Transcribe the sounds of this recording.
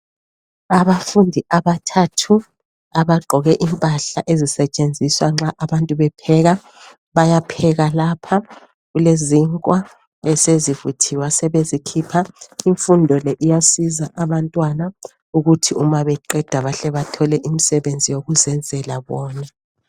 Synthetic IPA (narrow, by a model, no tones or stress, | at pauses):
aβafundʱiʔaβatʰatʰu | aβaɡ͡ǃʱɔɣɛʔimpʼaɬaʔezisɛt͡ʃʼend͡zʱiswaŋ͡ǁaʔaβantʼuβɛpʰɛɣa | βajapʰɛɣalapʰa | ɣuleziŋkʼwa | ɛsezivutʰiwasɛβezikʰipʰaiɱfundʱɔlɛʔijasizaʔaβantʼwana | uɣutʰiumaβɛǃɛd̥ʱaβaɬɛβatʰɔlɛʔimisɛβend͡zʱijoɣuzɛnd͡zʱɛlaβɔːna